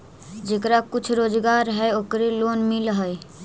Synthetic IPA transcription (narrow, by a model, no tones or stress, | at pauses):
d͡ʒeːkɾakʊt͡ʃʰɾoːd͡ʒɡaɾɦɛoːkɾeloːnmɪləɦəj